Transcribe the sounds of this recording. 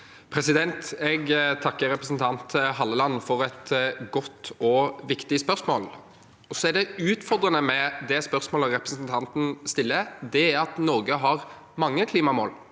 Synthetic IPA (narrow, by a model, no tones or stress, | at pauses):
pʰɾɛsɪd̪ɛnt̪ɛɡt̪ʰɑkːəɾɛpɾəsnt̪ʰɑnt̪ɦɑlːəlɑnːfɔɾɛt̪ɡɔt̪ːɔʋɪkt̪ɪspœʁsmo̰ːl | ɔsɔæɖ̪ɛʉːt̪fɔʁd̪ɾənəmɛd̪ɛspœʁsmoːləɾɛpɾəsnt̪ʰɑnt̪n̩st̪ɪlːəd̪ɛɑt̪nɔɾɡəɦɑʁ | mɑŋːəkʰliːmɑmo̰ːl